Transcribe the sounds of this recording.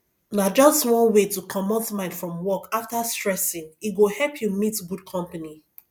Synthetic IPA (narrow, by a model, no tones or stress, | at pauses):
nad͡ʒʌstwɔ̃nwetukʰɔmɔtmãɪ̃nd̥fɹɔ̃mwɔkaftastɹɛsĩŋiɡohɛlpʰjumitɡud̚kʰɔ̃mpani